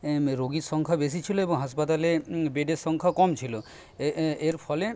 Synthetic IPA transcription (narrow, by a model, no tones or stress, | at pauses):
ɾoɡiʃɔŋkʰabes̬it͡ɕʰiloeboŋɦaʃpat̪alebeɖeɾʃɔŋkʰakɔmt͡ɕʰilo | eɾpʰɔle